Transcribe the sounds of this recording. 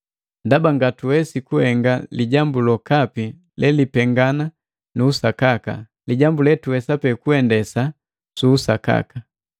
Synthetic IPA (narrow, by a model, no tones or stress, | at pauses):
ndabaŋɡatuwɛsikuhɛŋɡaliɟambulɔkapi | lʔɛlipɛŋɡana | nuːsakaka̰ | liɟambulɛtuwɛsapɛkuɛndɛsa | suːsaka̰ka